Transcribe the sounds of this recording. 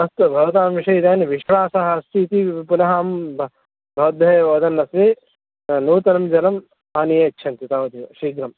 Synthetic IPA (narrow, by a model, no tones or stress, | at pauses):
ɐst̪ɐbʱɐʋɐt̪aːmʋiʃɐjd̪aːnʋiʃʋaːsɐɦɐɐst̪iːt̪ipunɐɦaːmb | bʱɐʋɐd̪̚bʱɐjɐʋoːd̪ɐnːɐsʋi | nuːt̪ɐnɐmd͡ʒɐnɐm | aːnijeːkt͡ʃʰɐnt̪it̪aːʋɐt̪iʋɐ̰ʃiːɡɾɐm